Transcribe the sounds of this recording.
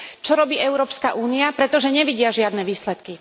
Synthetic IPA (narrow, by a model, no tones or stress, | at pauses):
t͡ʃɔɾɔbiːɛʊɾɔːpskaʔuːniapɾɛt̪ɔʒɛɲɛʋiɟɪaʒɪad̪nɛʋiːslɛt̪ki